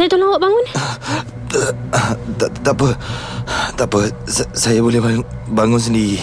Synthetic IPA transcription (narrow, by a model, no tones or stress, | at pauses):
ajat̪unawoʔbaŋʊn | t̪at̪apə | t̪apəssajabolɛbabaŋʊnsəndii